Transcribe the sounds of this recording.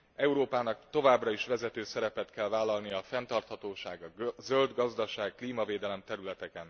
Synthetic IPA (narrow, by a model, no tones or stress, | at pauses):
ɛuɾoːpaːnɒkt̪o̞vaːbrɒiʃʋɛzɛt̪øːsɛɾɛpɛt̪kɛlvaːlːɒlnijɒːfɛnt̪ɒrt̪hɒt̪oːʃaːɡɒzøld̪ɡɒzd̪ɒʃaːkːliːmɒveːd̪ɛlɛmt̪ɛɾylɛt̪ɛkɛn